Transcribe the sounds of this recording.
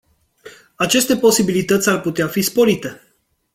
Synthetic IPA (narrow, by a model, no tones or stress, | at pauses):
at͡ʃe̞st̪e̞po̞sibilit̪ət̪sʲarput̪eafispo̞ɾit̪e̞